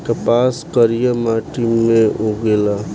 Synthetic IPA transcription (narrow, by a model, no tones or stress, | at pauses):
kəpaskəɾijəmaʈimːeoɡela